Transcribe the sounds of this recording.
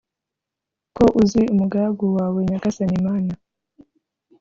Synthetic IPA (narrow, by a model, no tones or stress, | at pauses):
ko̞ʔuziumuɡaɡuwaːweɲakasanimaːna